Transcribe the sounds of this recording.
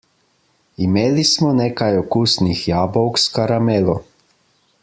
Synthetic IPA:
imeːlismɔneːkajɔkuːsnixjaːbɔwkskaɾamɛːlɔ

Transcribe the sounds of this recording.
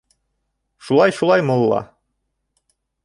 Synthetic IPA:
ʃulˠɑjʃulˠɑjmŏlˠːɑ̰

